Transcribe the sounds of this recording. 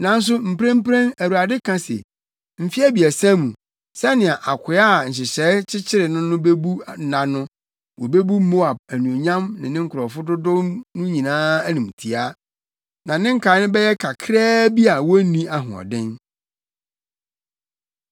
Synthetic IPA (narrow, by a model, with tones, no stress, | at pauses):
nã˨n̩˦s̬ʊ˦m̩˨pɾã˦m˦pɾã˦næ˨wu˨a˨dɪ˦kʰã˦sɛ̰˨ | m̩˨fi˦æ˦bi˨æ˨sã˦mũ˨ | sɛ˦nɪ̃˨a˨ʔa˨kʷʰʊ˨a˦˨ɲ̩˨ɕ̬ɪ˨ɕɛ˨˦t͡ɕʰɪ˦t͡ɕʰɪ˦ɾɪ˨nʊ̃˦nʊ̃˦be˦bu˦˨nã˨nʊ̃˦ | wɔ˨be˦bu˦mo˦a˨b̚æ˨nũ˨o˨ɲã˦mnɪ̰̃˨nɪ̃˦ŋ̩˦kʰʊ˨ɾɔ˨fʊ˦dʊ˦dʊ̃˦mnʊ̃˦ɲĩ˨nãː˦æ˦nĩ˨m˨tʰi˨a˦ | nã˨nɪ̃˦ŋ̩˦kʰaː˨˦nʊ̃˦bɛ˦jɛ˦kʰa˨kʰɾɛː˦bi˦a˨wɔ˦nĩ˦a˦ɦʊ̰̃˨ɔ̰˨dɪ̃˦n